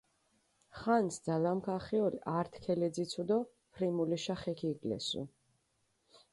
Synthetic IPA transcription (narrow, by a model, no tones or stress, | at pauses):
χansd̪zalamkʰaχiɔlḭʔaɾt̪ʰkʰɛlɛd̪zit̪sʰud̪ɔ | pʰɾimuliʃaχɛkʰiːɡlɛ̰sṵ